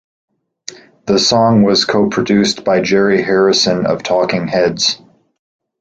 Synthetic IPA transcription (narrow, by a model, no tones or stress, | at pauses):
ðəsɔ̃ŋwʌz̥kʰoʊpʰɹ̥ɨdʉsb̥aɪd͡ʒɛɹihɛɹɨsɨ̃nʌ̰v̥tʰɔkɪ̃ŋhɛdz̥